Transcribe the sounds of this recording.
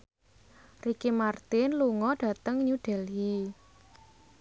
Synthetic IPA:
rikimart̪ɪnluŋɔɖ̥a̤t̪əŋɲuɖ̥ɛ̤li

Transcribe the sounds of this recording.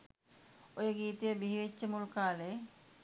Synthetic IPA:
ojeɡit̪ebiɦet͡ɕːemulkale

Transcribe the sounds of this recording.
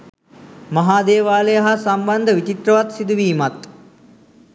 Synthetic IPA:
maɦaːd̪eːʋaːləjaɦasamband̪əʋit͡ʃit̪rəʋat̪sid̪uʋiːmat̪

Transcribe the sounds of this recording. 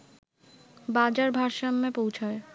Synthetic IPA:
bad͡ʑaɾbʱaɾʃamːepowt͡ɕʰae

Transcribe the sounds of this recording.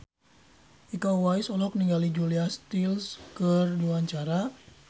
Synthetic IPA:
ʔikawwaisɔlɔk̚niŋɡalid͡ʒuliast̪ilskərdiwaɲt͡ʃaɾa

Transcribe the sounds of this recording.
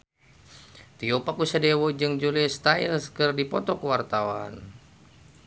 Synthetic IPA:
t̪iopakusadewɔd͡ʒɨŋd͡ʒulist̪ailskərdipɔt̪ɔkəwart̪awa̰n

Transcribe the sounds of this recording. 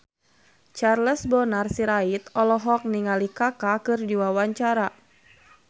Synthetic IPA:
t͡ʃarləsbɔnarsiɾait̪ɔlɔɦɔk̚niŋalikakakɨrdiwawaɲt͡ʃaɾa

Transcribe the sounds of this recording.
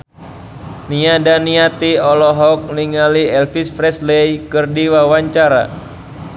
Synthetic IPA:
niadaniat̪iɔlɔɦɔk̚niŋaliɛlfisfɾɛslejkɨrdiwawaɲt͡ʃaɾa̰

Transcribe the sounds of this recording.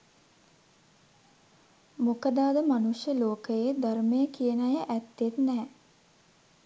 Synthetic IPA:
mokəd̪aːd̪əmanuʃjəloːkəjed̪armejəkijənajəʔæt̪ːet̪nɛː

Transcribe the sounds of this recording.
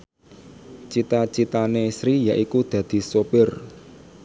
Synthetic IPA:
t͡ʃit̪at͡ʃit̪anesɾijaʔikud̪̥ä̤d̪̥i̤sopɪr

